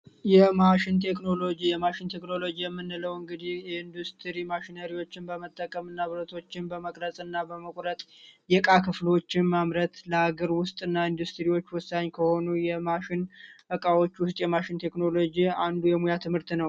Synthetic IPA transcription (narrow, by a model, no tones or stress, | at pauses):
jɛmaʃɪnt̪ʰe̞kno̞lo̞d͡ʒijɛmaʃɪnt̪ʰe̞kno̞lo̞d͡ʒijɛmːɨnːɨləwɨŋɡɨd̪ihjɛɨnd̪ust̪ʰɾimaʃɪnəɾiwo̞t͡ʃːɪnbəmət̪ʼːəkʼəmɨnːaβɨɾət̪ʰo̞t͡ʃːɪnbəməkʼɾəsʼɨnːabəməkʷʼɾət̪ʼjɛkʼakʰɨflo̞t͡ʃːɪnmamɾət̪ləaɡəɾwʊst̪ʼɨnːaɨnd̪ust̪ɾiwo̞t͡ʃːwʊsːaɲːkʰəho̞nujɛmaʃɪnʔəkʼawo̞t͡ʃːwʊst̪ʼjɛmaʃɪnt̪ʰe̞kno̞lo̞d͡ʒiand̪ujɛmujat̪ʰɨmhɨɾt̪nəw